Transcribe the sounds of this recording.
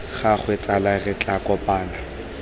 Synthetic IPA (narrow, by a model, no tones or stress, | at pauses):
χaχwet͡sʼalarɪt͡ɬʼakɔpʼaːna